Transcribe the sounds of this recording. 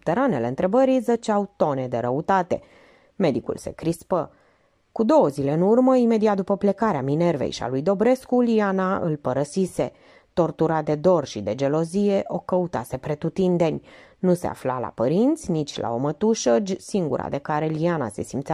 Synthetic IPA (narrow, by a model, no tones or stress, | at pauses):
up̚t̪e̞ɾanele̞ɨnt̪ɾe̞bəɾijzət͡ʃawt̪o̞ne̞d̪e̞ɾəut̪at̪e̞̰ | me̞d̪ikṵlse̞̰kɾispə | kud̪o̞wəzile̞ɨnurməime̞d̪iat̪̚d̪upəple̞kaɾeamine̞rvḛjʃia̰lujd̪o̞bɾe̞skulianaʔɨ̰lpəɾəsise̞ | t̪o̞rt̪uɾad̪e̞d̪o̞rʃid̪e̞d͡ʒe̞lo̞zije̞ʔo̞kəut̪ase̞pɾe̞t̪ut̪ind̪e̞nʲnuse̞̰a̰flala̰pəɾint̪sʲnit͡ʃʲla̰o̞mət̪uʃəd͡ʒʲsiŋɡṵɾa̰d̪e̞kaɾe̞liana̰se̞simt̪sa